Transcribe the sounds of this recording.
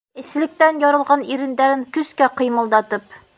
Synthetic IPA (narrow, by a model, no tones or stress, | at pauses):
ɘ̆slɘ̆k̚t̪ænjɒɾɤ̆lˠʁɑniɾɘ̆nd̪æɾɘŋkɵ̆skæqɤ̆jmɤ̆lˠd̪ɑt̪ɤp̚